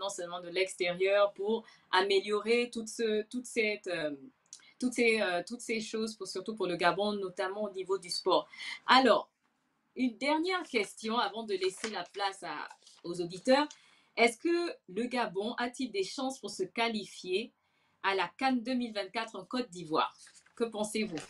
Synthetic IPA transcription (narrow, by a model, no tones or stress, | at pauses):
nɑ̃sœlmɑ̃d̪əlɛkst̪eʁjœʁpuʁ | ameljɔʁet̪ut̪sət̪ut̪sɛt̪ø | t̪ut̪seøt̪ut̪seʃozpusyʁt̪upuʁləɡabɔ̃nɔt̪amɑ̃onivod̪yspɔːʁalɔːʁ | ynd̪ɛʁnjɛʁkʲɛst̪jɔ̃avɑ̃d̪əlɛselaplasa̰ozod̪it̪œːʁ | ɛskələɡabɔ̃ʔat̪ild̪eʃɑ̃spuʁsəkalifje | alakand̪əmilvɛ̃t̪̚kat̪χɑ̃kɔt̪̚d̪ivwa̰ːʁkəpɑ̃sevu